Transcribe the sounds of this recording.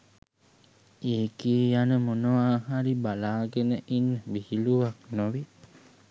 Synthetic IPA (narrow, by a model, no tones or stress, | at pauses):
eːkiːjanəmonoaːɦaɾibalaːɡenəʔinːəbihiluʋaknoʋi